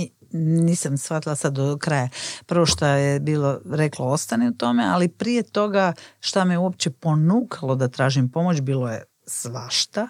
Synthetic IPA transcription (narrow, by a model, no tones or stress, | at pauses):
niːsamsxfat̪ilˠasad̪okɾajapr̩ʋoʃt̪ajebiːlˠoɾekloo̞st̪aniut̪o̞mealipɾije̞t̪o̞ɡaʃt̪amiuo̞p̚t͡ɕepo̞nuːkʰalˠo̞d̪at̪ɾaːʒimpo̞mo̞t͡ɕbiːloje̞̰ | sʋaʃt̪a